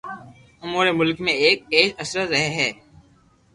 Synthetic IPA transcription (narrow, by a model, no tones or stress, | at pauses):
ʊmuːɾemʊlkmẽeːk̚eːsɐsɾət̪ɾɛɦeɦɛː